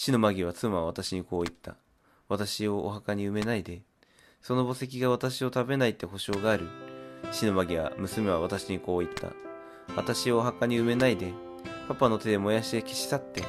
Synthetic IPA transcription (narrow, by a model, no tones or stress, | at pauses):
ɕino̞maɡʲiβ̞at͡sɨmaβ̞at̪aɕiɲ̟iko̞ːit̪ːa̰ | βat̪aɕio̞ːɦakaɲ̟iɯ̟me̞naid̪e̞ | so̞no̞bo̞se̞k̬ʲiɡaβ̞at̪aɕio̞t̪abe̞nait̪ːe̞ho̞ɕo̞ːɡaːɾɯ̟ɕino̞maɡʲiβa̰mɯ̟sɨme̞β̞aβat̪aɕiɲ̟iko̞ːit̪ːa̰ | βat̪aɕioːɦakaɲ̟iɯ̟me̞naid̪e̞ | papano̞t̪e̞d̪e̞mo̞jaɕid̪e̞kʲi̥ɕi̥t̪at̪ːe̞